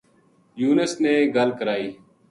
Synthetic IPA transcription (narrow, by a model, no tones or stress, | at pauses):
juːnəsneːɡəlkəɾaːiː